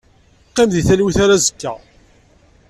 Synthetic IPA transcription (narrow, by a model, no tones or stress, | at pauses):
qːɪmðiθælwiθaɾæzəkːæ